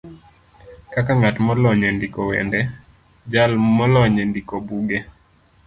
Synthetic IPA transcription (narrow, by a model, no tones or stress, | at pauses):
kakaŋatmɔlɔɲɛndikɔwɛ̰ndɛ | d͡ʒalmɔlɔɲɛndikobuɡe